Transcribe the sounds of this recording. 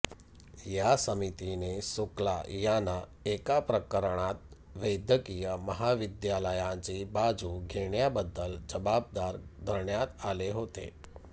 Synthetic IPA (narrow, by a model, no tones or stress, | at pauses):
jasəmit̪inesukla̰janaekapɾəkəɾɳ̃at̪̚ | ʋed̪jəkijəməɦaʋid̪jaləjãt͡ɕibad͡zʱuɡʱeɳjabəd̪ːəld͡ʑəbab̚d̪aɾd̪ʱəɾɳjat̪aleɦot̪ḛ